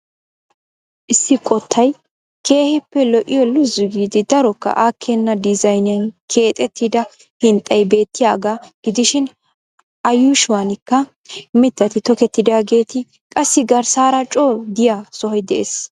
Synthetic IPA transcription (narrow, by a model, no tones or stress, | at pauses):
ʔɪsːɪkʼɔt̪ʰːɐj | kʰe̞ːhɪpːɛlɔʔɪjɔlʊzʊɡiːd̪ɪd̪ɐɾɔkːɐ̰ʔaːkʰːɛnːɐd̪ɪzɐjnjɐnkʰe̞ːt̪ʼɛt̪ːɪd̪ɐ | hɪnt̪ʼːɐjbe̞ːt̪ːɪjaːɡaɡ̥ɪd̪ɪʃɪn | ʔɐjuːʃʊwanɪkːɐ | mɪt̪ːɐt̪ɪt̪ɔkɛt̪ːɪd̪aːɡe̞ːt̪ɪ | kʼɐsːɪɡɐɾsaːɾɐt͡ʃʼoːd̪ɪjaːsɔhɔjd̪ɛʔeːs